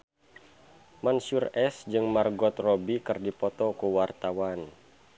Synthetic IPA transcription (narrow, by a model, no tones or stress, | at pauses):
mansurɛsd͡ʒɨŋmarɡɔt̪rɔbikərdipɔt̪ɔkuwart̪awan